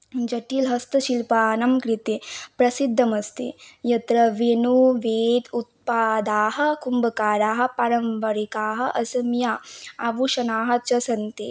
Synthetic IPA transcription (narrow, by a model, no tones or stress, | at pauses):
d͡ʒɐʈiːlɦɐst̪ɐʃilpaːnɐmkɾit̪epɾɐsid̪ʱːɐmɐst̪ḭjɐt̪ɾɐʋenuʋeːd̪ut̪̚paːd̪aːɦɐ̆kumbɐkaːɾaːɦɐ̆pɐɾɐmʋɐɾikaːɦɐ̆ʔɐsɐmjaɐʋuʃɐnaːɦɐt͡ʃɐsɐnt̪ḛ